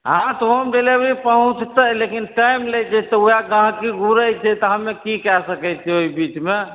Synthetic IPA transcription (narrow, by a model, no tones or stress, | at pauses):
ɦãt̪oɦəmbelebʱipəɦũt͡ʃt̪əlekinʈajmled͡ʒɛt̪ɔujaɡãɦkiɡuɾəjt͡ʃʰɛt̪əɦəmːekikɛɾsəkəjt͡ʃʰɛoibit͡ʃme